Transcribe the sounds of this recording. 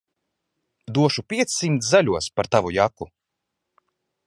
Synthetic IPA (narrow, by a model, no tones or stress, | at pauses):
d̪uɔʃupʲiɛt̪ssːimt̪szalʲuɔspaɾt̪avujaku